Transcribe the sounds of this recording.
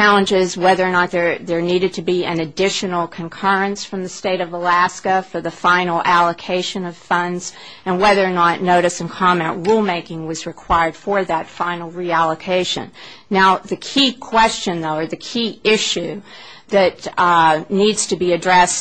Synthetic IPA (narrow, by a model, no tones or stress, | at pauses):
t͡ʃælˠə̃nd͡ʒɪzwɛðə˞nət̪̚ðə˞ðə˞niɾɨd̚tʰɨbiɨ̰̃nɨdɪʃɨnl̩ˠkʰɨ̃nkʰɜ˞ɨ̃nsfɹʌ̃mðɨsteɪɾʌvəlæskɨfə˞ðɨfãɪ̃nl̩ˠælˠəkʰeɪʃɨ̃nʌv̥fʌ̃ndz̥ | ɨ̃nwɛðə˞nətⁿnoʊɾɨsɨ̃n̩kʰɑmɛ̃nʔɹulˠmeɪkɪ̃ŋwʌzɹɨkʰw̥aɪə˞d̥fə˞ðɨtfãɪ̃nl̩ˠɹiælˠəkʰeɪʃɨ̰̃nː | aʊðɨkʰikʰw̥ɛst͡ʃɨ̃nðoʊə˞ðɨkʰiɪʃʉðɨt | nidz̥tʰɨbiɨdɹɛs